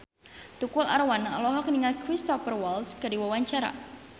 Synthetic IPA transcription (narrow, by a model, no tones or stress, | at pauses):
t̪ukʊla̰ɾwanalɔɦɔkniŋatkɾist̪ɔfərwaldskadiwawaɲt͡ʃaɾa̰